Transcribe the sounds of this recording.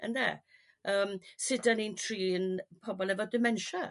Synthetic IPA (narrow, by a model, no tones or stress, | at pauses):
ə̰nðɛ̰ | əːmsɪdanintʰriːənpʰɔbɔlˠɛvɔdɪmɛnʃa